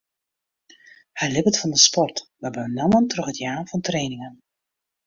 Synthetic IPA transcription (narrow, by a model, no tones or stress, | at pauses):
hajlɪpətfɑndəspɔrtʋəbəənaməntrøχətjaːrvɑntrejnɪŋən